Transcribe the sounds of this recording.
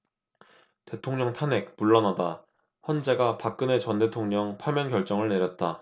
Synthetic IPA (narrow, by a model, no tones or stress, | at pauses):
te̞tʰoŋɲʌŋtʰane̞k̚puɭːʌnada | çʌnd͡ʑe̞ɡapak̚k͈ɯne̞t͡ɕʌnde̞tʰoŋɲʌŋpʰamjʌnkjʌɭt͡ɕ͈ʌŋɯɭne̞ɾjʌt̚t͈a